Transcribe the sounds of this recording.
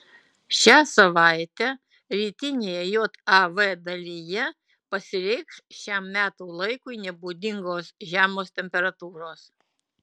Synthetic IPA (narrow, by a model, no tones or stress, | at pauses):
ʃʲæːsɐʋɑˑɪt̪ʲɛ | ɾʲiːt̪ʲɪnʲeːjɛjoːt̪ɐʋɛd̪ɐlʲijɛ | pɐsʲɪɾʲɛɪksʃʲæmmʲæːt̪oːlˠɐɪkʊɪnʲɛbuːd̪ʲɪŋɡoːsʒʲæːmoːst̪ʲɛmʲpʲɛɾɐt̪uːɾoːs